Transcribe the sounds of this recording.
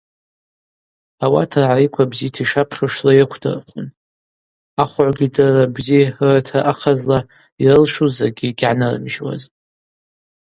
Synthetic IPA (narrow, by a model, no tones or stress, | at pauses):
awa̰tʰarʕaikʷʰabzitʰiʂapʰχʲəʂlajakʷʰdɨ̰rχʷʰʊn | aχʷʕʷɡʲidarabziratʰaʔaqʰazla | irɨlʂuzaɡʲiɡʲʕanɨrɨ̰mʒwa̰ztʼ